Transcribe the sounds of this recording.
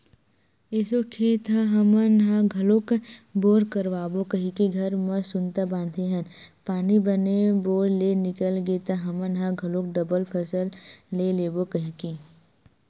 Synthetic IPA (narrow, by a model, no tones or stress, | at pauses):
esokʰet̪aɦɐmənɦãɡʱɐlokboːɾkəɾʋaːbokɐɦĩkiɡʱɐɾmɐsʊnt̪abãːnd̪ʱeɦɐn | paːnibɐneboːɾlenɪkəlɡet̪aɦɐmənɦãɡʱɐlok̚ɖɐbəlpʰəsəllːeleːbokɐɦĩki